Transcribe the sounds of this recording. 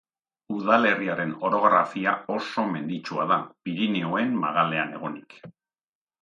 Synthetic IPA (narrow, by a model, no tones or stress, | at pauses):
uðale̞riaɾe̞no̞ɾo̞ɣɾafiao̞so̞me̞nd̪it͡ʃuaðapiɾineoe̞mma̰ɣale̞ane̞̰ɣ̞o̞nik